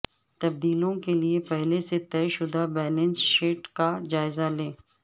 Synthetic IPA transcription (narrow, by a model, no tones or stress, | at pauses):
t̪ɐb̚d̪iːlõkeliepɛɦleset̪ɛːʃʊd̪abɛːlɛ̃nsʃeːʈkad͡ʒaːɪzalẽː